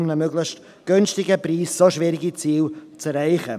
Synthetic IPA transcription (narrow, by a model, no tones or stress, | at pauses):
mnəmøɡlɪχʃt | ɡ̥ønstɪɡəpriːssoʃvɪɾɪɡit͡siːlt͡sɛɾaɪχə